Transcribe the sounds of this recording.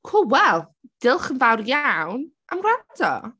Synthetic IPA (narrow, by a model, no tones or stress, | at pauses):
kʰulˠwɛlˠd̥ɪlˠχənvawrjawnʔa̰mradɔ̰